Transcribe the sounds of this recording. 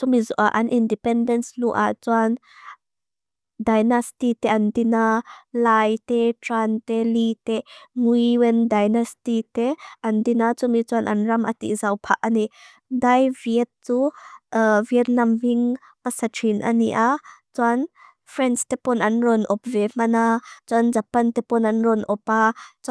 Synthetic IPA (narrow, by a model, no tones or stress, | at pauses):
t͡sumizuʔaʔɐnʔindipɛndɛnsluʔa̰t͡suan | dajnastit̪ɛʔɐndinalajtɛtɾant̪ɛlit̪ɛŋujwɛndajnastit̪ɛʔɐndinat͡sumit͡suanʔɐnrɐmʔat̪ḭʔzɐwpʰaʔ̚ʔani | dajviət̪̚t͡su | viət̪̚nɐmviŋ | pɐsatʰinʔa̰niʔat͡suan | fɾɛnst̪ɛpɔnʔɐnrɔnʔɔp̚vɛm̥ɐnat͡suanzɐpɐnt̪ɛpɔnɐnrɔnʔɔpat͡s